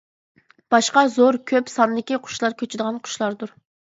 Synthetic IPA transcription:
b̥ɑʃqɑzoɾkʲʰøpsɑnd̪ɪkʲiqʰʊ̥ʃlˠɑɾkʲʰøt͡ʃʰɪd̪əʁɑnqʰʊ̥ʃlˠɑɾd̪uɾ

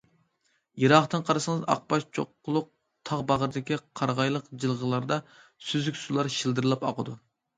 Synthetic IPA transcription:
jeɾɑχt̪ɨnqʰɑɾsɨŋəzɑ̰q̚pɑʃt͡ʃʰo̰qːʊlˠʊq̚ | t̪ʰɑʁbɑʁəɾd̪ɪkʲiqʰɑɾʁɑjlˠəqd͡ʒɨlˠʁəlˠɑɾd̪ɑ | syzykʲsulˠɑɾʃild̪ɨɾɨlˠɑpɑqʰəd̪u

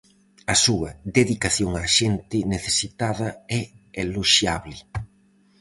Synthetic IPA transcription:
ɐsuɐd̪eðikaθjoŋaʃent̪ɪneθesit̪aðɐɛeloʃjaβlɪ

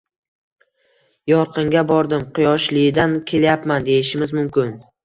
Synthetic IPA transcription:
jɒɾqʰɨŋɡʲabɒɾd̪ɪmqʰʊjɒʃlɪɪd̪ankʲʰe̞ljapmand̪e̞jɪʃɪmɪzmʊmkʲɪn

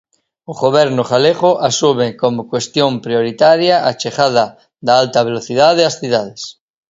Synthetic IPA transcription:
oɣoβ̞eɾnoχaleɣoʔasumekomokwest̪jompɾjoɾit̪aɾjaat͡ʃeχaða | ðaalt̪aβeloθið̞aðeasθiðaðes

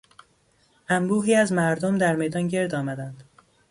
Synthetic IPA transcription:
ʔæmbuːɦiːæzmæɾd̪omd̪æɾme̞jd̪ɒːnɟe̞ɾd̪ɒːmæd̪ænd̪̥

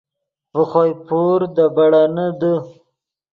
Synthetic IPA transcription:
pəxojpoɾd̪əbaɽanəd̪ə

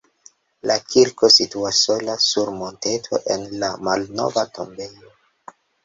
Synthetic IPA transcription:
lakʰiɾko̞situasːo̞lasuɾmo̞nte̞tʰo̞̰ʔenlamalno̞̰vato̞mbe̞jo

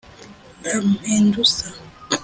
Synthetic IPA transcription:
ɾam̩mendusa

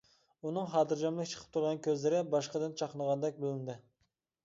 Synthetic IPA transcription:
unɨŋχɑːt̪ɨɾd͡ʒɑmlɪkʲt͡ʃʰə̥qʰə̥p̚t̪ʰuɾʁɑnkʲʰøzlɪɾɪbɑʃqəd̪ɪnt͡ʃʰɑqʰənəʁɑnd̪ɛk̚ʲbɪlɪnd̪ɪ

